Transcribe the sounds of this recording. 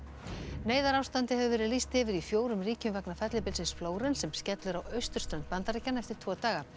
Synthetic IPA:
neːjðaɾaːwst̪ant̪ɪhɛvʏvɛːɾɪðlist̪ɪvɪɾifjoːwɾʏmriːcʏmvɛknafɛt̪lɪpɪlsɪnsfloːwɾɪnsɛmscɛt̪lʏɾawœɥst̪ʏɾ̥st̪ɾɛnt̪pant̪aɾɛcːanɛft̪ɪɾ̥t̪ʰvɔːt̪aːɣa

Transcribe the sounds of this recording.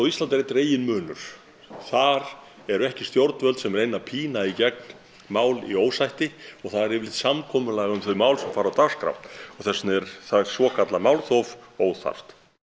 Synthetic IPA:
wist̪lant̪ɾet̪ɾeːjɪnmʏːnʏɾ̥ | θaɾ | ɛɾɛhcɪ̥st̪jowɾt̪vœlsɛmɾejnapʰiːnaicɛk̚n | maːwlḭoːwsajht̪ɪɔɣθaðɾɛvɪlɪht̪samkʰɔːmʏlaɣaʏmθœɥmaːwlsɛmfaːɾawt̪askɾa̰wt̪ɔɣθɛsnɛɾθasvɔːkʰat̪lamaːwlθɔfoːwθa̰r̥t̪

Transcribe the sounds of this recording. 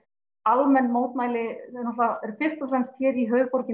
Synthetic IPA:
almɛnːmoːwt̪naːjlɪɛnɔt̪aɛɾ̥fɪr̥st̪ɔfɾɛmst̪çɛːɾiɦœːɥɣpɔɾcɪ

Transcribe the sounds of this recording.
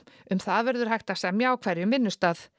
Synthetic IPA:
ʏmθaðvɛɾðʏɾ̥hajht̪ḁsɛmjaːwkʰv̥ɛɾjʏmːɪnːʏst̪aːθ

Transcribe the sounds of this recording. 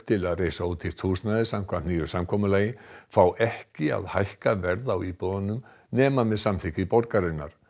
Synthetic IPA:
t̪ʰɪlaðreːjsauːt̪ʰɪ̥t̪ʰuːsnaðɪsamkʰvant̪niːjʏ̥samkʰɔːmʏlaːjɪfawʔɛhcɪa̰ðhajhkavɛɾðawiːpɔðanʏm | nɛːmamɛðsamθɪcɪpɔɾkaɾɪnːa̰ɾ̥

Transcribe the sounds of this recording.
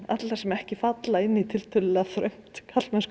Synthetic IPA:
at̪laɾ̥sɛmɛhcɪfat̪laɪnːit̪ʰɪlt̪ʰœlɪlɛɣaθɾœ̰ɥm̥t̪kʰat̪lmɛns

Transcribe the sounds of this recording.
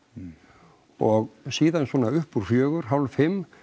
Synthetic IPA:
ɔɣsiːðansvɔːnaʏhpuɾ̥fjœːɣʏɾ̥ɦawlfɪmː

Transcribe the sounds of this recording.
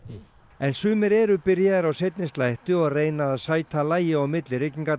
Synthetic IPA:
ɛnsʏːmɪɾɛɾʏpɪɾjaðɛɾawsejt̪nɪst̪lajht̪ʏɔɣreːjnaaðsaːjt̪ʰalaːjɪawmɪt̪lɪɾɪcːiŋka

